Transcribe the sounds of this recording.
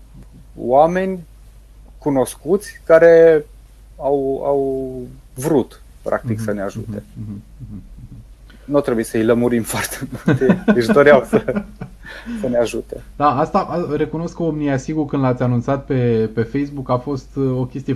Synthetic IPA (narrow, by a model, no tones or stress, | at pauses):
wame̞nʲ | kuno̞skut̪sʲkaɾe̞ | awa̰w | vɾut̪ | pɾʔa̰kt̪iksəneaʒṵḛɦ̩ | nuat̪ɾebujesəiləmuɾimfoart̪emult̪d̪eʃd̪oɾeawsə | səneaʒut̪ḛd̪̥aast̪aʔɾe̞kuno̞skomnijasiɡurkɨnd̪lat̪sʲanunt̪sat̪̚pe̞pe̞fe̞js̬bukafo̞st̪o̞kʲe̞st̪ije